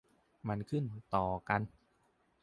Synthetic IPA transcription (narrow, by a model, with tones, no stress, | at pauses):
ma˧nkʰɯ˥˩nm˧˦nt̪ɔː˨˩ka˧n